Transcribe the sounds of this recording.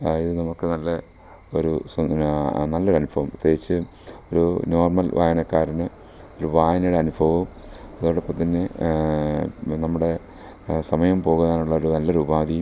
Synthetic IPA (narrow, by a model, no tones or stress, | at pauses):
iðɨnɐmukːɨnɐlːɐ | oɾus | nɐlːɐoɾɐnubʱɐʋɐmut̪ːeːɡit͡ɕːɨ | o̞ɾuno̞ːrmɐlʋʔa̰ːjɐnɐkːaːɾinɨ | oɾuʋaːjɐnɐjɽeɐnubʱɐʋumɐðoɽɐpːɐt̪ːinːe | nɐmːuɽe̞ | sɐmɐjɐmpo̞ːɣuðaːnuɭːɐoɾunɐlːɐɾubaːd̪ijm